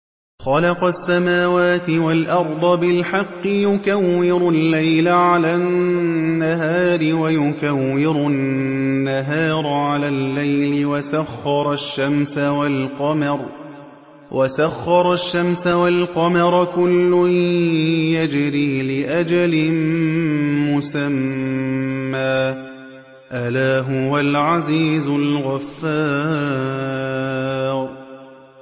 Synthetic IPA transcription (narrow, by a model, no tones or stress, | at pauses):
xɑlɑqɑsːamaːwaːt̪ɪwalʔɑɾˤd̪ˤɑbɪlħɑqːɨjʊkawːɪɾʊlːajlaʕalaːnːaɦaːɾɪwajʊkawːɪɾʊnːaɦaːɾˤʕalaːlːajlɪwasaxːɑɾˤɑʃːamsawalqɑmɑɾˤ | wʔasaxːɑɾˤɑʃːamsawalqɑmɑɾˤkʊlːʊ | jad͡ʒɾiːlɪʔad͡ʒalɪn | mʊsamː | aː | ʔalaːɦʊwalʕaziːzʊlɣafːaː | ɾ